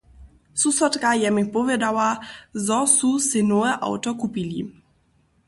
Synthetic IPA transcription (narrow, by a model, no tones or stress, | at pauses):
susɔt̪kajɛmɪpɔvʲjɛd̪awazɔsusɪnɔɛʔa̰wt̪ɔkupilʲi